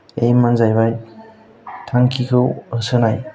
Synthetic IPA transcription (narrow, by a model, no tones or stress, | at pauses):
ejmanzajbaj | tʰaŋkʰikʰɯwɯsɯnaj